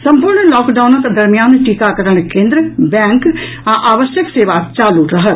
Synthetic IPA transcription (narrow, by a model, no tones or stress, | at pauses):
səmpʊɾɳlɔːkɖaːnəkd̪əɾmijaːnʈikakəɾəɳ̃kẽːnd̪ɾəbɛ̃ːŋk | ãʔaːʋəʃjəkseːʋaːt͡ʃaːluɾəɦə